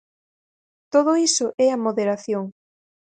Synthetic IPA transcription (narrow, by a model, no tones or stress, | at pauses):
t̪oð̞oisʊʔɛamoðeɾaθjoŋ